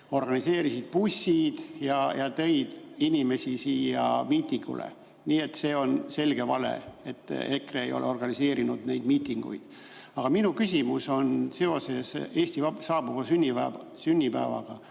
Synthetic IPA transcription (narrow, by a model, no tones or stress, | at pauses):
o̞rɡ̥ɑnise̞ːɾisid̪̥̚pusːid̪̥jɑjɑt̪ɤ̞jd̪̥inʲime̞sʲisiːjɑ̰miːt̪ːˑiŋɡ̥ṵlʔḛ | niːe̞t̪ːˑse̞ːo̞nse̞lɡ̥e̞vɑ̰le̞̰e̞t̪ːˑekreejo̞̰lʔeo̞rɡ̥ɑnise̞ːɾinud̪nejd̪miːt̪ːˑiŋɡ̥ṵjd̪̥ | ɑɡ̥ɑminukysʲimuso̞nse̞o̞se̞se̞ːsʲt̪ivɑsɑːb̥uvɑsynʲːivæ | synʲːipæ̰ːvɑ̰ɡ̥ɑ